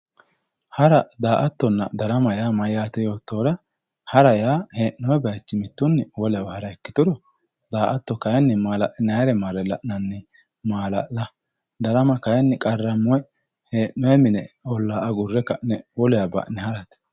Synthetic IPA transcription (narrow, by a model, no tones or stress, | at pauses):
hɐɾɐd̪aːʔɐt̪ːɔnːɐ̰d̪ɐɾɐmɐjaːmɐjaːt̪ɛjo̞ːt̪ːoːɾɐ | hɐɾɐjaːheːnːɔwɛbɐjt͡ʃːɪmɪt̪ːʊnːɪwɔlɛjawhɐɾɐɛkːɪ̥t̪ʊɾɔ | d̪aːʔɐt̪ːɔkɐjɛnːɪmaːlɐʔɪnɐjɾɛmaːɾɛlɐ̰ʔnɐnːɪ | maːlɐ̰ʔlɐ | d̪ɐɾɐmɐkɐjɛnːɪkʼɐrːɐmɔɛ | heːʔnɔjɛmɪnɛɔlːaːɐɡʊrːɛkɐʔnɛwɔlɛjabɐ̰ʔnɛhɐɾɐt̪